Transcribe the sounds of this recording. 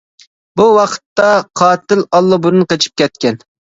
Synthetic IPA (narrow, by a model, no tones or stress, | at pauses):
buwɑqə̥t̪ːɑqʰɑːt̪ɪlɑlˠːɨbuɾɨnqət͡ʃʰi̥p̚kʲɛt̪kʲɛn